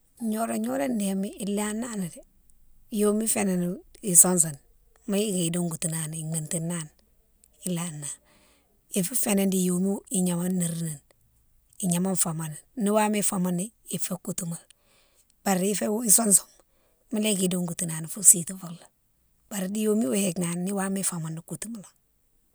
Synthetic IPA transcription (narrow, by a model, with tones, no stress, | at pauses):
ɲo˦ɾaɲo˦ɾe˦ndemi˦i˨la˦na˦ni˨di˨ | joː˦mi˦feneni˨sons̬o˨n | ma˦le˦ki˨do˦ŋɡu˨tu˨na˨n˨i˨me˨nti˨nːa˦n | i˨la˨nːa˨ | i˨fi˦fene˨ndi˨jo˨mi˦i˨ɲa˨ma˦nːi˨ɾne˨n | i˨ɲa˨ma˦nfama˨nni˦wa˦me˦fama˦ni˦ | i˨fe˦kutuma˨l | b̥a˨ɾi˦fe˦i˦so˦nso̥˨m | ma˦le˦ki˨do˦ŋɡu˨tu˨na˨n˨fu˦si˨tufo˨kla | b̥a˨ɾdi˦joː˦mi˦wu˦hekna˨nːi˦wa˦mifa˨ma˨ni˨ku˨tuma˨la˨